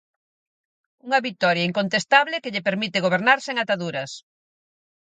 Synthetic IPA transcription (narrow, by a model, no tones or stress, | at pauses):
uŋɐβit̪ɔɾjaiŋkont̪est̪aβlɪkeʎepeɾmit̪eɣ̞oβ̞eɾnaɾseŋat̪aðuɾɐs